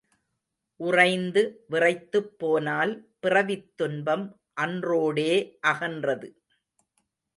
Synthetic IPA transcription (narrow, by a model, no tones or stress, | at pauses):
ʔʊrɐɪnd̪ɯʋɪrɐɪt̪ːɯpːoːnaːlpɪrɐʋɪt̪ːʊnbɐm | ʔɐndroːɽeːʔɐɣɐndrɐðɯ